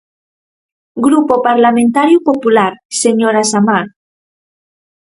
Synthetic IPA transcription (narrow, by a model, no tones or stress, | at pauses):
ɡɾupopaɾlamẽnt̪aɾjupopulaɾseɲoɾasamaɾ